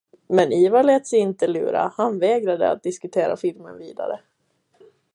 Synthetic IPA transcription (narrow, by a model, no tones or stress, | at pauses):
mɛniːvalɛːt̪sɛɪnt̪əlʉ̟ːɾa̰hanvɛːɡɾad̪ə̰a̰t̪̚d̪ɪskɵt̪ʰeːɾa̰fɪlmə̰nviːd̪a̰ɾə̰